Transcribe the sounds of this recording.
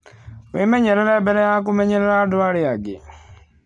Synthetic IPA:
wemɛɲɛɾɛɾɛbɛlɛjak̬umɛɲɛɾɛɾadʊaɾɪaɡɪ̰

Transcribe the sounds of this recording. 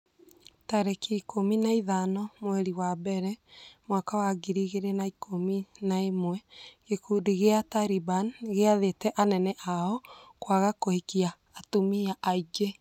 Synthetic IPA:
taɾekiːkominaiðanɔmwɛɾiwabɛɾɛmwakawaɡiɾiɣeɾenaikʰominaemwɛɣekuːdiɣeataɾibanɣeaðetɛʔanɛnɛʔaɔkwaɣakohekiaːtomiaʔaid͡ʒe

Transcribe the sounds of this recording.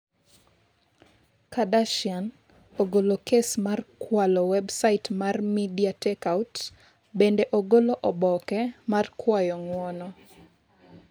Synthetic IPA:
kadaʃjan | oɡolokesmarkwalɔwɛbsaɪtmarmidiatɛkawt | bendeʔoɡoloʔɔbɔkɛmarkwajɔŋwɔnɔ

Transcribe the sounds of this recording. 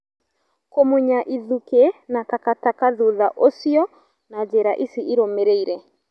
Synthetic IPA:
komoɲaʔiðukenakakatakaðuðaʔosiɔ | nad͡ʒeɾaʔisiʔːɾomeɾeiɾɛ

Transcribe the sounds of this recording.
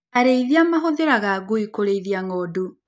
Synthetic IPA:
aɾeiðiamaɦoðeɾaɣaɡoikoɾeiðiaŋɔdu

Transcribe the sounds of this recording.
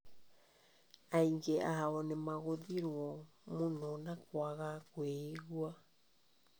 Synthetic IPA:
ajŋɡeʔahaonemaɣodiɾuomunonakoaɣakweiɡua

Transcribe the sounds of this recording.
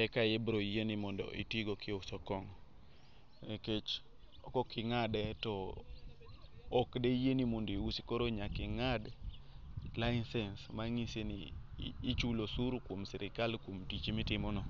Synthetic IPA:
ɛkajebɾoijenimɔndo̰ʔitiɡɔkʰɪɔsɔkɔŋ | eket͡ʃ | ɔkɔkɪŋadɛtɔ | kdɛjenimondoiwusi̥kɔɾoɲakɪŋad | laɪnsɛnsmaŋisenḭː | t͡ʃulosuɾkwomsɛɾɪkalkwomtit͡ʃimɪtɪmɔnɔ

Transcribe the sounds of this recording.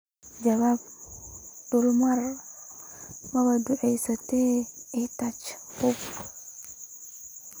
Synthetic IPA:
d͡ʒɐβaːb̚ | d̪̥ʊlmɐr | mɐβɐd̪ʊʕɛjsɐt̪ʰɛɛt̪ɐt͡ʃ | hʊb

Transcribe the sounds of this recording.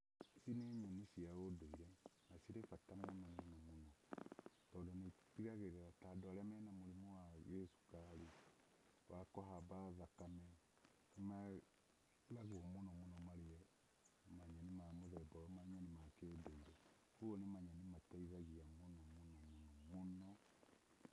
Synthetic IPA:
sineɲanisiaodoiɾɛnasiɾefatamonɔmonamonɔ | tɔdɔnepiɣaɣeɾeɾatadɔɾɛmɛnamoɾemowaɣesu̥kaɾu | wakɔɦabaðakamɛ | nma | ðaɣoɔmonɔmonɔmaɾeɛ | maɲanimamoðɛbɔwɔmaɲanimakeodoiɾɛ | hoonemaɲanimataiðaɣiamonɔmonɔmonɔmonɔ

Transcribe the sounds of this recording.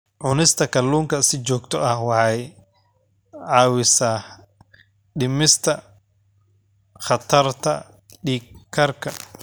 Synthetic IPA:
ʕʊnɪst̪ʰɐkʰɐlːuːŋkʰɐsɪt͡ʃɔːɡt̪ʰɔɐhwɑħɑj | ʕɑːwɪsaː | ɖɪmɪst̪ʰɐ | χɑt̪ʰɐrt̪ʰɐ̰ | ɖiːkʰːɐrkʰɐ

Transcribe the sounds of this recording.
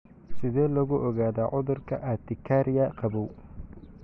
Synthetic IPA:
sɪðɛːlɐɣʊʔɔɣaːðaːʕʊðʊrkʰɐʔad̪ɪkʰaɾɪjɐqʰɑβɔw

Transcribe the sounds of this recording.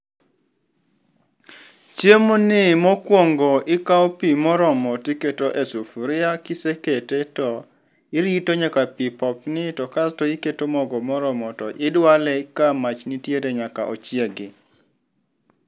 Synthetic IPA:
t͡ʃjemonɪmɔkwoŋɡɔɪkaopimɔɾɔmɔtɪketoʔesufuɾɪakɪseketetɔ | ɪɾitoɲakapipɔp̚nɪtɔkastɔiketomɔɡɔmɔɾɔmɔtɔʔɪdwalɛkamat͡ʃnɪtjedeɲaka̰ʔo̰t͡ʃjeɡɪ

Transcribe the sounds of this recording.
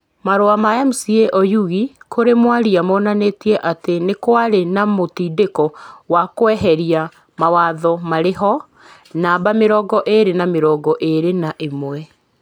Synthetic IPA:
maɾoamajamusieʔɔjuɣikʰoɾemwaɾiamɔːnaneːtiɛʔatenekwaɾenamotiːdekɔwakwɛɦɛɾia | mawaðɔmaɾeɦɔ | naːbameɾɔɡɔʔeɾenameɾɔɡɔʔeɾenaʔemwɛ

